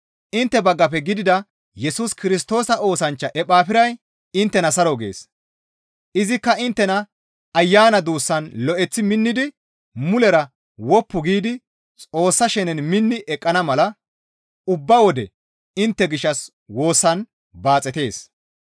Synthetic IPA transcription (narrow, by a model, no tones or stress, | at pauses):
ʔɪnt̪ːɛbɐɡːɐp̬ɛɡɪd̪ɪd̪ɐ | jɛsuskɪɾɪs̬t̪o̞ːsɐo̞ːsɐnt͡ʃːɐʔɛpaːpɪɾɐj | ɪnt̪ːɛnɐsɐɾoɡe̞̰ːs | ʔɪzɪkːɐɪnt̪ːɛnɐ | ɐjːaːnɐd̪uːsːɐnlɔʔɛt͡sːɪmɪnːɪd̪ɪ | mʊlɛɾɐ | wɔpːʊɡiːd̪ɪ | t͡sʼo̞ːsːɐʃɛnɛnmɪnːɪʔɛkʼːɐnɐmɐlɐ | ʊbːɐwɔd̪ɛ̰ | ɪnt̪ːɛɡɪʃːɐs | wo̞ːsːɐn | baːt͡sʼːɛt̪e̞ːs